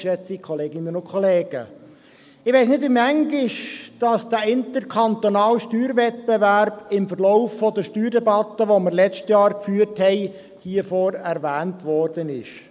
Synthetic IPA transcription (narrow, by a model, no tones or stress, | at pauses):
ʃɛt͡sikʰχɔleːɡɪnənʊnkʰχɔleːɡ̥ə̰ | ɪʋɛɪsnɪdɪmæŋɡɪʃd̥ɑsd̥æɪntəɾkʰɑnt̪onɑːlʃtyːɾʋɛt̚bɛʋæɾb̥ɪmfəɾlɔʊfːɔd̪əʃtyːɾdɛbɑt̪ːəʋoməɾlɛt͡ʃtjɑːɾkfyːɾthɛɪ | hiːəfɔːɾɛɾʋæːntʋɔːɾd̥ənɪ̰ʃ